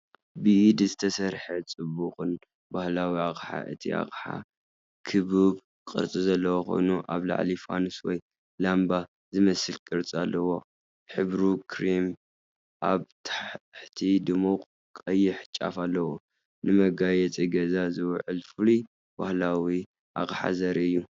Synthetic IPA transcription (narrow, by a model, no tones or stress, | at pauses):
biʔd̪zɨt̪ʰɐsɐɾħɐt͡sʼɨbuqʼɨn | bahlawiakʼħa̰ʔɨ̰t̪ʰiʔa̰χʼħa̰ | kʰɨβɨβ | kʼɨ̰ɾt͡sʼɨzɐlːɐwoxo̞̰jnuʔa̰βla̰ʕlifa̰nuswɔ̰j | lamba | zɨmɐsɨlkʼɨɾt͡sʼalːɐwo̞ | ħɨβɾukʰɾim | ʔaβt̪ʰaħħt̪ʰid̪ɨmo | kʼɐjːɪħt͡ʃʼːa̰falːɐwo | nɨmɐɡajɛt͡sʼiɡɐzazɨwʕɨlfɨlu | b̥ahlawi | ʔa̰kʼħa̰zɐɾiɨjːu